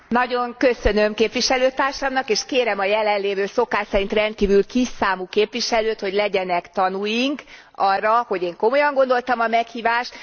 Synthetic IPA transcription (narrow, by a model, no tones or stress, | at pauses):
nɒɟo̞ŋkø̞sø̞nø̞mkeːpʋiʃɛløːt̪aːrʃɒmnɒkeːʃkeːɾɛmɒjɛlɛnleːvøːso̞kaːʃsɛɾint̪rɛnt̪̚kiːvylkisaːmukeːpʋiʃɛløːt̪ho̞ɟlɛɟɛnɛkt̪ɒnujiŋk | ɒrːɒho̞ɟeːŋko̞mo̞jɒŋɡo̞nd̪o̞lt̪ɒmɒmɛkhiːvaːʃt̪